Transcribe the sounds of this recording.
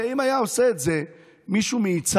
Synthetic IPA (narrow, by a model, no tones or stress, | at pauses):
imajausɛd͡zɛ | miʃumiːt͡s